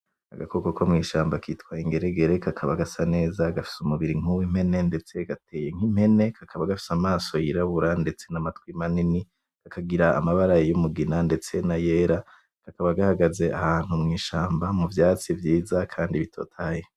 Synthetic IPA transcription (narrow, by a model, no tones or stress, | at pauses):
a̰ɡakokokomŋiːʃaːmbakʰiːtwaiŋɡe̞ɾeɡe̞ɾe̞kʰakʰaβaɡasane̞ːzaɡafi̥sumuβiɾiŋ̥uwim̥he̞ne̞nde̞t͡se̞ɡate̞ːje̞ŋ̥im̥he̞ne̞kʰakʰaβaɡafi̥samaːso̞jiɾaβuɾande̞t͡se̞namatwimanini | kakʰaɡiɾa̰ːmaβaɾajejumuɡinande̞t͡se̞naje̞ːɾa | kakaβaɡahaɡaze̞ahaːn̥humŋiːʃaːmbamuvjaːt͡sivjiːzakʰaːndiβitʰo̞̰tʰaːje